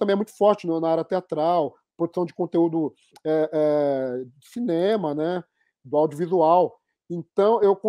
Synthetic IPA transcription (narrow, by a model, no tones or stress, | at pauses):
t̪ɐ̃mbẽɛmũj̃t̪ʊfɔɾt͡ʃɪnʊnaaɾɐt̪eat̪ɾaw | pɾod̪u̥sɐ̃w̃d͡ʒɪkõnt̪eud̪ʊ | ɛʔɛd͡ʒʊsinẽmɐnɛ | d̪ʊawd͡ʒiuʊvizuaw | ẽt̪ɐ̃w̃ewkõ